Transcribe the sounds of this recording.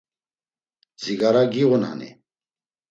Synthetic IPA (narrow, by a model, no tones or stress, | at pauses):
ziɡaɾaɡiʁuna̰nḭ